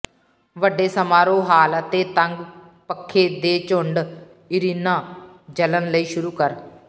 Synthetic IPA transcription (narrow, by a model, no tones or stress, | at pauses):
ʋəɖeːsəmaːɾõːɦaːlət̪eːt̪əŋɡ | pəkʰːeːd̪eːt͡ʃʊɳɖ | ɪɾiːnãː | d͡ʒələnləiːʃʊɾuːkəɾ